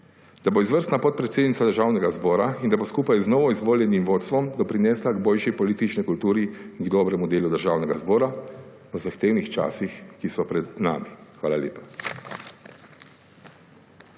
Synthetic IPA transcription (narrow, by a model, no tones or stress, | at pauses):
d̪̥aboizʋəɾst̪napɔt̪̚pɾɛt̪seːd̪nit̪sad̪əɾʒaːwnɛɡazbɔːɾaind̪aboskuːpajznɔːʋɔizʋoːljɛnimʋoːt̪st̪ʋɔmd̪ɔpɾinɛːslaɡboːlʃipɔliːt̪it͡ʃnɛkult̪uːɾiinɡd̪ɔːbɾɛmud̪eːlud̪əɾʒaːwnɛɡazbɔːɾa | ɔzaxt̪eːwnixt͡ʃa̰ːsixkisɔpɾɛd̪na̰ːmixʋaːlaljḛːpḁ